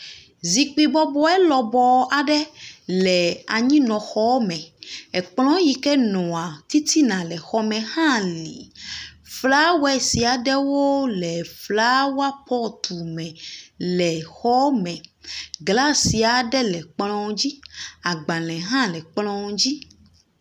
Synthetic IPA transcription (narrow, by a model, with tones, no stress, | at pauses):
zi˨k͡pi˦bɔ˦bɔ˦ɛ˦lɔ˨bɔ˨a˨ɖɛ˦lɛ˨a˨ɲĩ˦nɔ̃˨xɔ˦wo˦mɛ̃˨ɛ˨k͡plɔ̃˦ji˨kɛ˦nɔ̃˨a˨t̪i˦t̪i˦nã˨lɛ˨xɔ˦mɛ̃˨hã˦li˨ | fla˦wɛ˨si˨a˨ɖɛ˦wo˦lɛ˨fla˦wa˦pɔ˦t̪ʰu˨mɛ̃˨lɛ˨xɔ˦mɛ̃˨ɡla˦si˨a˨ɖɛ˦lɛ˨k͡plɔ̃˦d͡ʑi˦a˨ɡ͡bã˨lɛ̃˨ɦã˦lɛ˨k͡plɔ̃˦d͡ʑi˦